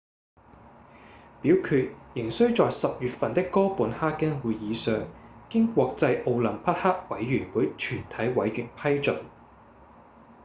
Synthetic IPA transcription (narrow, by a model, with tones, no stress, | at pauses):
piː˨˥wkʰyː˧t̚jɪ˨˩ŋsɵ˥ɥt͡sɔː˨jsɐ˨p̚jyː˨t̚fɐ˨nt̪ɪ˥kːɔː˥puː˨˥nhaː˥kːɐ˥ŋwuː˨˧jjiː˨˧sœː˨˧ŋkɪ˥ŋkʷɔː˧k̚t͡sɐ˧jʔo˧wlɐ˨˩ŋpʰɐ˥t̚haː˥k̚wɐ˨˥jɥyː˨˩nwuː˨˥jt͡ʃʰyː˨˩nt̪ʰɐ˨˥jwɐ˨˥jɥyː˨˩npʰɐ˥jt͡ʃɵ˨˩n